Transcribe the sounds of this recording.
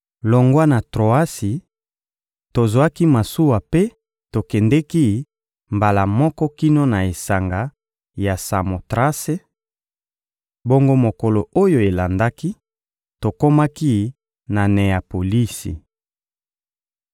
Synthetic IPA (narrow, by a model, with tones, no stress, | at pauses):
lo˨ŋɡwa˦na˨tʁo˨a˦si˨ | to˨zwa˦ki˦ma˨su˦wa˨pe˦ | to˨kɛ˨ndɛ˦ki˦ | mba˨la˨mɔ˦kɔ˦ki˦no˦na˨e˨sa˨ŋɡa˨˦ | ja˨sa˨mo˨tʁa˦se˦ | bo˦ŋɡo˦mo˨ko˨lo˨o˦jo˦e˨la˨nda˦ki˦ | to˨ko˦ma˦ki˦ | na˨ne˨a˨po˨li˦sḭ˨